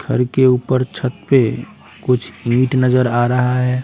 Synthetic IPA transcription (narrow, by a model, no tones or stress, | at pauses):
ɡʰʱə̰ɾkeuːpəɾt͡ʃʰət̪pe | kʊt͡ʃʰĩːʈnɐzəɾaːɾɐɦaɦɛː